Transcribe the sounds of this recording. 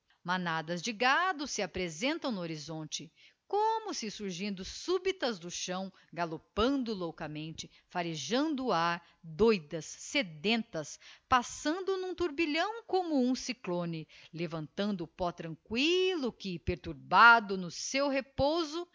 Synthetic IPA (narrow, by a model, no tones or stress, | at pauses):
manad̪ɐzd͡ʒɪɡad̪ʊsɪapɾezẽnt̪ɐ̃w̃nʊoɾizõnt͡ʃɪ | komʊsɪsuɾʒĩnd̪ʊsubit̪ɐzd̪ʊʃɐ̃w̃ | ɡalopɐ̃nd̪ʊlowkɐmẽnt͡ʃɪ | faɾiʒɐ̃nd̪ʊːaɾ | d̪ojd̪ɐsːed̪ẽnt̪ɐspasɐ̃nd̪ʊnũt̪uɾbiʎɐ̃w̃kõmʊũsiklõnɪlevɐ̃nt̪ɐ̃nd̪ʊːpɔt̪ɾɐ̃ŋkwilʊkɪpeɾt̪uɾbad̪ʊnʊsewɦepozʊ